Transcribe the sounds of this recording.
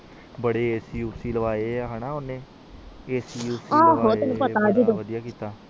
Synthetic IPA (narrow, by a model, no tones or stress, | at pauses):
bəɽeːeːsiːuːsiːləʋaːeːaːɦənãːʊnẽː | eːsiːusaːɦoːt̪enũːpəaːd͡ʒiːd̪õːəd̪ijaːkiːt̪aː